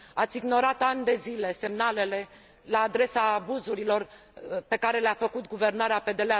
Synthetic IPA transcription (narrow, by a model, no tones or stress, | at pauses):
at̪sʲiɡno̞ɾat̪anʲd̪e̞zile̞se̞mnale̞le̞ | laːd̪ɾe̞saːbuzuɾilo̞r | pe̞kaɾe̞leafəkut̪̚ɡuve̞rnaɾeape̞d̪e̞lea